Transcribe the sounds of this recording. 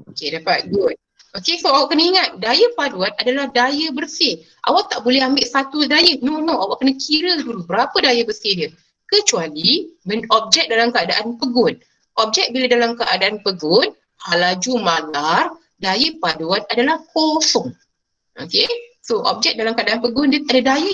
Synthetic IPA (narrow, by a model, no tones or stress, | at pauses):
okedapat̪̚ɡʊt̪̚ | okesoawaʔkːənəiŋat̪̚dajəpaduat̪̚adalahdajəbərsɪh | ʔa̰waʔ̚t̪aʔbolɛɦambɪʔsat̪udajənonõawaʔ̚kənakʰiɾəduɾubəɾapədajəbərsidə | kət͡ʃualimənɔp̚d͡ʒɛk̚dalamkəadaʔanpəɡʊn | ʔɔp̚d͡ʒɛk̚biladalamkəadaʔanpəɡʊn | halad͡ʒumalar | dajəpaduat̪adalahkɔsɔŋ | ʔo̰kesoʔɔ̰p̚d͡ʒɛk̚dalamkəadaanpəɡʊndəadadajə